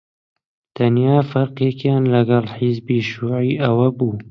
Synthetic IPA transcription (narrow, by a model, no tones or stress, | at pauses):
t̪ʰɐnjaːfɐɾqekjɑːnlɐɡɐlħizbiːʃuːʕiːʔɐwɐbuː